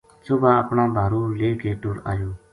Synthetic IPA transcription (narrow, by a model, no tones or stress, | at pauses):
sʊbaːəpɳãːbʱaːɾuːleːkeːʈʊːɾa̰ːjoː